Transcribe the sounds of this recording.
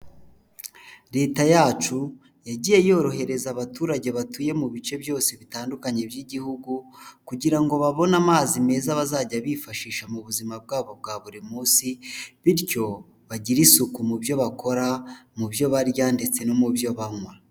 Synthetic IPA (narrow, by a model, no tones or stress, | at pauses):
ɾe̞ːtajaːt͡ʃu | jaɟiːje̞jo̞ɾo̞ɦe̞ɾe̞zaβatuːɾaɟe̞βatuːje̞muβit͡ʃe̞bjo̞ːse̞βitaːndukaɲe̞bjiɟihuɡukuɟiɾaŋɡo̞βaβo̞namaːzime̞ːzaβazaːɟaβiːfaʃiːʃamuβuzimab̚ɡaːβo̞b̚ɡaːβuɾimuːsiβiɾɟo̞ | βaɟiɾisukumubjo̞βakʰo̞ɾamubjo̞βaɾjaːndet͡se̞nomubjo̞βaŋwa